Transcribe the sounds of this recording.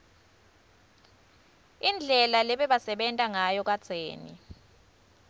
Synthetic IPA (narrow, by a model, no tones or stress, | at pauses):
ind͡ɮʱɛlalɛɓɛɓasɛɓɛntʼaŋajɔk̬at͡sʰeːnḭ